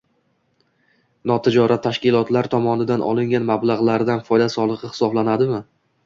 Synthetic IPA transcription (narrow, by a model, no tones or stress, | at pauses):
nɒt̪ʰɪd͡ʒɒɾʔat̪ʰːaʃkʲɪlˠɒt̪laɾt̪ʰɒmɒnɪd̪anʔɒ̰lˠɪŋʲanmablˠaʁlˠaɾd̪anfɒjd̪asɒlˠɨqɨhɪ̥sɒblanad̪ɪmɪ